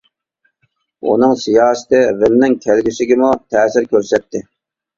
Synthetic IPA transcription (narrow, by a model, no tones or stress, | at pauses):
ṵnɨŋsijɑːsɪ̥t̪ɪvɪnnɪŋkʲʰælɡʲisɪɡʲɪmut̪ʰɛːsɪɾkʲʰøɾsɛt̪ːɪ